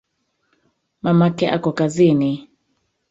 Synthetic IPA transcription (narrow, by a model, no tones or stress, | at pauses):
mamakɛʔakɔkazini